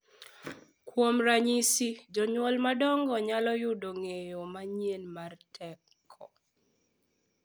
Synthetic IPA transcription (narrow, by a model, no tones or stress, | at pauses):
kwomɾaɲisid͡ʒɔɲwɔlmadɔŋɡɔɲalɔjʊdoŋejomaɲienmartʰɛkʰːɔ